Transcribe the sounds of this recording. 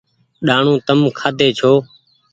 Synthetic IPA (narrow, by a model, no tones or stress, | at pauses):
ɗaːɳũːt̪əmkʰaːd̪eːt͡ʃʰoː